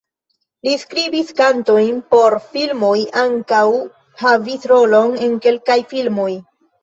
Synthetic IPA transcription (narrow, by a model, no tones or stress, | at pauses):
liskɾibiskanto̞jnpo̞ɾfilmo̞jaŋkaw | havisɾo̞lo̞ne̞nke̞lkajfilmo̞j